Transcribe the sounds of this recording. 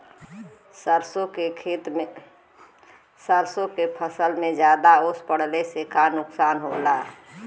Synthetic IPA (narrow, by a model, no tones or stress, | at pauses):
səɾsõkekʰeːt̪me | səɾsõkepʰəsəlmẽd͡ʒjaːd̪aʊspəɽ̤lesekanʊksaːnɦolaː